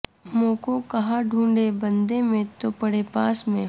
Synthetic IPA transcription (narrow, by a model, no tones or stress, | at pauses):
moːkokɐɦaɖʱũːɳɖebə̃nd̪emẽt̪opɐɽepaːsmẽ